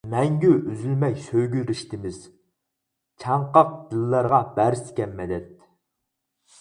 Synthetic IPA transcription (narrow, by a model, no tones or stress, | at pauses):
mɛŋɡʲyʔyzylmɛkʲsøjɡʲyɾiʃt̪ʰɪmɪz̥ | t͡ʃʰɑɴqɑq̚d̪̥ɨlˠːɑɾʁɑbæɾsɪ̥kʲʰɛmːɛd̪ɛt̪̚